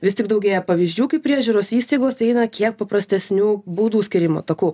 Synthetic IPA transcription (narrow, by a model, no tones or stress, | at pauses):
ʋʲɪst̪ʲɪɡd̪ɐʊɡʲeːjɛpɐʋʲizʲd͡ʒʲuːkɐɪpʲɾʲiɛʒʲuːɾoːsiːst̪ɐɪɡoːst̪ɐɪɛɪnɐkʲiɛk̚pɐpɾɐsʲt̪ʲɛsʲnʲuːbuːd̪uːsʲkʲɪɾʲɪmo̰ːt̪ɐkuː